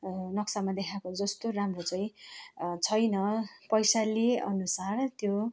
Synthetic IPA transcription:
nʌksamad̪ekʰakod͡zʌst̪oramrot͡sʌj̃t͡sʰʌjnʌpʌjsaliʌ̰nusart̪jo

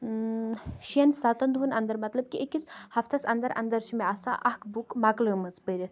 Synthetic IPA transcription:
ʃiɐnsat̪ɐnd̪ɦunɐnd̪əɾmɐt̪lɐb̚kiʔekit͡shɐft̪ʰɐsɐnd̪ɐɾɐ̰nd̪ɐɾʃimeasa̰ʔɐhkbukmakləːmɐt͡spəɾʲɐt̪ʰ

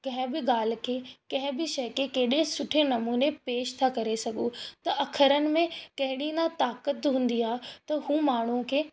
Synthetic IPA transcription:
kɐ̃ɦɪ̃bɪɠaːl̤ɪ̆kʰeːkɐ̃ɦɪ̃bɪʃɐjkekeɦɪɗesʊʈʰenɐmuːnepeːʃt̪ʰakɐɾesɐɡʱut̪ɐʔɐkʰəɾənɪ̆mẽkɐ̃ɦɪɽĩnat̪aːkət̪ɦũːn̆d̪iaːɦet̪ɐɦũːmaːɳ̤ukʰeː

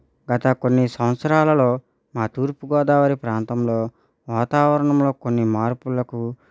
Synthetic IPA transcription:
ɡɐt̪ɐkonːisɐ̃wt̪sɾaːlɐlo̞ː | maːt̪uːɾpuɡɔːd̪aːʋɐɾipɾaːnt̪ɐmloː | ʋaːt̪aːʋɐɾɐɳɐmlo̞ːkonːimaːɾpulɐku

